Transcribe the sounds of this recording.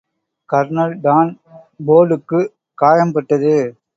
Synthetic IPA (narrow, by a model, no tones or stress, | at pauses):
kɐɾnɐlɖ̪aːn | boːlɯkːɯ | kaːjɐmpɐʈːɐðɯ